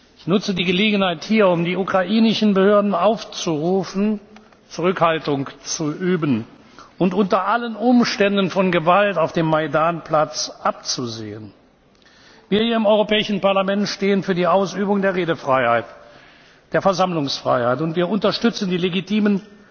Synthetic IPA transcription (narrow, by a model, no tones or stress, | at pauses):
ʔɪçnʊt͡sədiːɡəleːɡən̩haɪthiːɐʊmdiːukʁ̥aʔiːnɪʃn̩bəhøːɐdn̩aʊft͡suʁuːfn̩ | t͡suʁʏkhaltʊŋt͡suʔyːbən | ʔʊntʔʊntɐʔalənʔʊmʃtɛndənfɔnɡəvaltaʊfd̥eːmːaɪdaːnpl̥at͡sʔap̚t͡suzḛːən | viːɐhiːɐɪmɔʏʁopɛːɪʃn̩paɐlamɛntʃteːənfyːɐdiːaʊsyːbʊŋdeːɐʁeːdəfʁ̥aɪhaɪt | d̥eːɐfɛɐzamlʊŋsfʁ̥a̰ɪhaɪtʊntv̥iːɐʊntɐʃtʏt͡sn̩diːleɡitʰiːmən